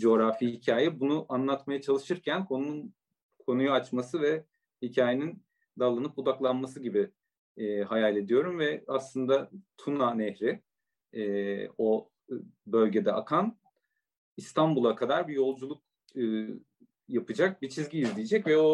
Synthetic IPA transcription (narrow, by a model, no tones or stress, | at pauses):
d͡ʒo̞ɾafiːhicʰaːjɛbunuʔanlˠat̪majat͡ʃʰalˠɯʃɯɾcʰænkʰon | kʰo̞nujuat͡ʃmasɯvɛ | hicʰaːjenin | d̪alˠanɯpud̪aklˠanmas̬ɯɟibɪː | hajalʲe̞d̪ijo̞ɾumvɛaslˠɯnd̪at̪ʰunanɛçɾɪ | ɛːo̞ | bø̞lʲɟe̞d̪ɛakʰan | ist̪ʰanbulˠakʰad̪aɾbijo̞lˠd͡ʒulˠuk̚ | ɯ | japɯd͡ʒak̚bit͡ʃʰizɟiːzlʲijed͡ʒɛcvɛo̞